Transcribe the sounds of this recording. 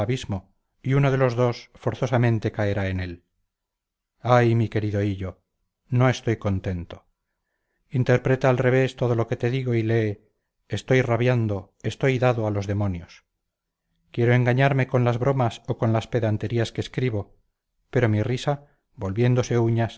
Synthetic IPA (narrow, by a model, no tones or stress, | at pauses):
aβizmo̞ | iunoðelo̞zðo̞sfo̞ɾθo̞samẽnt̪e̞kaeɾae̞ne̞l | ajmike̞ɾiðo̞iʎo̞ | no̞e̞st̪o̞jko̞nt̪e̞nt̪o̞̥ | int̪e̞ɾpɾe̞t̪aalre̞βe̞st̪o̞ð̞o̞lo̞ke̞t̪e̞ðiɣo̞ile̞ː | st̪o̞jraβjand̪o̞ | est̪o̞jðaðoalo̞zðe̞mo̞njo̞s | kje̞ɾoe̞ŋɡaɲaɾme̞ko̞nlazβɾo̞maso̞ko̞nlaspe̞ðant̪e̞ɾiaskeːskɾiβo̞ | pe̞ɾo̞mirisa | bo̞lβje̞nd̪o̞se̞uɲas